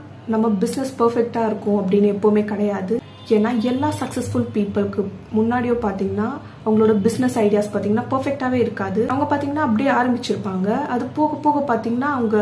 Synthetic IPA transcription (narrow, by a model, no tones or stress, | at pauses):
nɐmːɐbɪsnɛspɐɾfɛk̚ʈaːɪɾɯkːʊ̃ɐpːɐɽɪnːɯɛpːoːmeːkɐɽɐjaːðɯ | eːnːaːɛlːaːsɐksɛsfʊlpiːpːɐlkːɯmʊnːaːɽɪjõːpaːɾt̪iːŋɡɐnːaː | ɐʋɐŋɡɐɭoːɽɐbɪsnɛsɐɪɽɪjaːspaːɾt̪iːŋɡɐnːaːpɐɾfɛk̚ʈaːʋeːɪɾɯkːaːðɯɐʋɐŋɡɐpaːɾt̪iːŋɡɐnaːɐp̬ːɐɽɪjaːɾɐmbɪt͡ʃːɪɾɯpːaːŋɡɐɐðɯpoːɣɐpoːɣɐpaːɾt̪iːŋɡɐnaːɐʋɐŋɡɐ